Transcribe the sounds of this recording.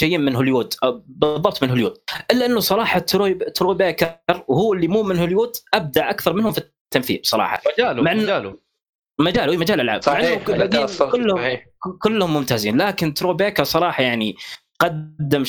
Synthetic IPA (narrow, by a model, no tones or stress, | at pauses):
ajːimɪnɦʊljuːd̪ʔabɨðˤːɑb̚t̪ˤmɪnɦʊljuːd̪̚ʔɪlːaʔɪnːʊsˤɑɾˤɑːħɑt̪ːt̪ːɾoːbeːkɑɾˤwhuːɪlːimuːmɪnhʊljuːd̪ʔab̚d̪aʕʔakθɑɾˤmɪnhʊmfi | t̪ːamθḭːlsˤɑɾˤɑ̰ːħɑ̰ad͡ʒaːlmaʕanːaːl | mad͡ʒaːluʔiːmad͡ʒaːlɪlʕa̰ːbmaʕanːʊlad̪iːkʊlːhʊ | kʊlːʊhʊmːʊmt̪aːziːnlaːkɪnt̪ːɾoːbeːkɑˤsˤɑɾˤɑːħɑjaʕni | qɑdd̪ːɪm